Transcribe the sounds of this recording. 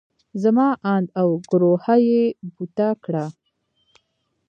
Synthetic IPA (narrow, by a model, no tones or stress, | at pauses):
zamɑʔɑnd̪awɡɾohajebut̪akɽa